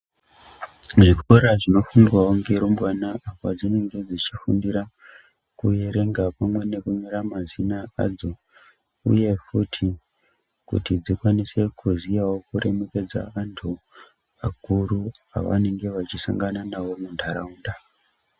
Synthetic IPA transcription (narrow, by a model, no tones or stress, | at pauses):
ʐikoɾaʐino̞funwaoŋɡeɾombwanaːpad͡zine̞ŋɡe̞d͡zit͡ʃifundiɾa | kujeɾe̞ŋɡapamwe̞nekuɲoɾamazinaa̰d͡zo̞ | ṵje̞futʰi | kṵtid͡zikwanise̞kʰuzijawo̞kuɾe̞me̞ke̞d͡za̰antʰu | a̰kurua̰ʋa̰ne̞ŋɡe̞ʋat͡ʃisa̰ŋɡananaʋo̞mundʱaɾauːnda